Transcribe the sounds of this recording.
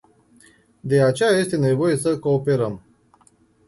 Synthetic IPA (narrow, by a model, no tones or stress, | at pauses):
d̪e̞at͡ʃejaje̞st̪e̞ne̞vo̞je̞səko̞ːpe̞ɾəm